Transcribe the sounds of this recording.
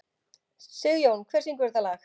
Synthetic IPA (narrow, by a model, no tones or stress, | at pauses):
sɪɣjownkʰvɛrsiŋkʏɾðalax